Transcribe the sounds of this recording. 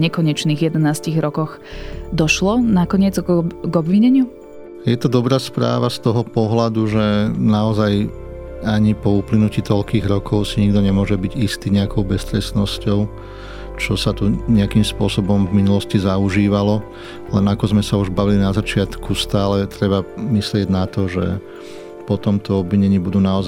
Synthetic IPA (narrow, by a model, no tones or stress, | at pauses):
ɲɛkɔɲɛt͡ʃniːɣjɛd̪ɛnaːsciɣɾɔkɔx | d̪ɔʃlɔnakɔɲɪɛd͡zɡɔbʋiɲɛɲɪu | jɛt̪ɔd̪ɔbɾaːspɾa̰ːʋast̪ɔɦɔpɔɦlad̪uʒɛnaɔzaj | aɲipɔuːplinuciːt̪ɔʎkiːɣɾɔkʰɔʊsiɲiɡd̪ɔɲɛmʊɔʒɛbiɟist̪iːɲɛakɔʊbɛst̪ɾɛsnɔscɔʊ | t͡ʃɔsat̪uɲɛakimspʊɔsɔbɔmvminulɔscizauʒiːʋalɔ | lɛnakɔzmɛsauʒbaʋilinazat͡ʃɪat̪kust̪aːlɛt̪ɾɛbamislɪɛɟnat̪ɔʒɛ̰ | pɔt̪ɔmt̪ʰɔɔbʋiɲɛɲɪibud̪uːnaɔz